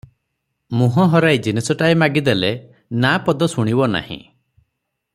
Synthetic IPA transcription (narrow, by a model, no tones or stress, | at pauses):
muɦɔɦɔɾajd͡ʒinesɔʈaemaɡid̪ele | napɔd̪ɔsuɽ̃ibɔna̰hḭ̃